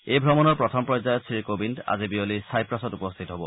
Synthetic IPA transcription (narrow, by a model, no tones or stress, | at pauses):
ejbʱɹɔmɔnɔɹpɹɔtʰɔmpɹɔzajɔtsʰikobinda̰zibiolisajpɹasɔtupɔst̪ʰitɔɦɔbɔ